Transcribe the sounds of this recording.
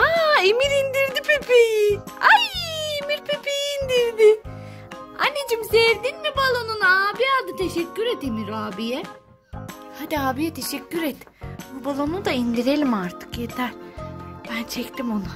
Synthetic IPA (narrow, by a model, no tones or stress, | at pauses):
aimiɾind̪iɾd̪ipʰepijajimiɾpʰepiːnd̪iɾd̪i | a̰nːed͡ʒimseɾd̪inmibalˠo̞nunaːbiaːd̪ɯt̪ʰeʃɛcʲːyɾet̪imiɾaːbijɛ | had̪iaːbijɛt̪ʰe̞ʃɛcʲʰːyɾet̪ːubalˠo̞nud̪aind̪iɾe̞lʲimaɾt̪ʰɯ̥kjet̪ʰæɾb̥ænt͡ʃʰɛct̪imo̞na